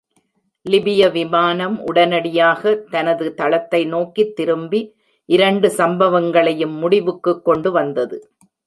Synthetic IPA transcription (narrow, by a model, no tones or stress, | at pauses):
lɪbɪjɐʋɪmaːnɐmʔʊ̰ɽɐnɐɽɪjaːɣɐt̪ɐnɐðɯt̪ɐɭɐt̪ːɐɪnoːkit̪ːɪɾɯmbi | ʔɪɾɐɳɖɯsɐmbɐʋɐŋɡɐɭɐjɯmːʊɽɪʋɯkːɯkːɔɳɖɯʋɐnd̪ɐðɯ